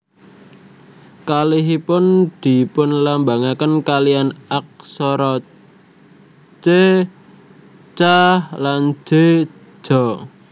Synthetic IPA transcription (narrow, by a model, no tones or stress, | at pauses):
kaliɦipʊnd̪̥i̤pʊnlambaŋakənkalianak̚sɔɾɔ | t͡ʃe | t͡ʃahlan̥d͡ʒ̥e̥ | d͡ʒ̥ɔ